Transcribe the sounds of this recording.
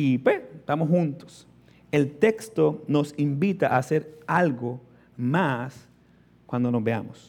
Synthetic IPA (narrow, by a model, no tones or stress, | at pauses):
ipweset̪amoshunt̪o̥s | elt̪ekst̪onosimbit̪aʔase̞ɾalɡo | mas | kwand̪onozbea̰mos